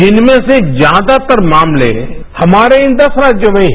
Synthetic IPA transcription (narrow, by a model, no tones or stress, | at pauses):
d͡ʒɪnmẽsed͡ʒjaːd̪at̪əɾmaːmlḛ | hɐmaːɾeɪ̃nd̪ɐsɾaːd͡ʒjəʋɐĩ